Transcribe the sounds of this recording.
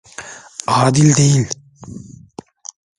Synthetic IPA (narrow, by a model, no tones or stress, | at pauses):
aːd̪ilʲd̪ejilʲ